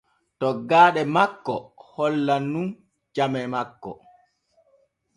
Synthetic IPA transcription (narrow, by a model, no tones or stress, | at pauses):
tɔɡaːɗɛmakːɔhɔlːanːun | d͡ʒamɛmakːɔ̰